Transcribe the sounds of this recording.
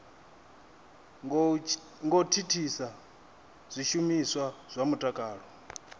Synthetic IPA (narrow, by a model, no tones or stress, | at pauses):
ŋɡɔtʰitʰisa | z̥ʷiʃumiswaz̥ʷamutʼakʼaːɺɔ